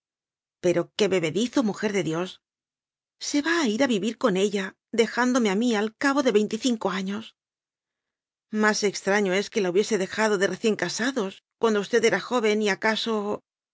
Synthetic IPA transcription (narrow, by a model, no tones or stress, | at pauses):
pe̞ɾo̞ke̞βe̞βe̞ðiθo̞muxe̞ɾðe̞ðjo̞sː | e̞βaːiɾaβiβiɾko̞ne̞ʎa | ðe̞xand̪ome̞amialkaβo̞ðe̞βe̞jnt̪iθiŋko̞aɲo̞s | mase̞kst̪ɾaɲo̞e̞ske̞lauβje̞se̞ðe̞xaðo̞ðe̞re̞θje̞ŋkasaðo̞skwand̪oust̪e̞ðe̞ɾaxo̞βe̞niakaso̞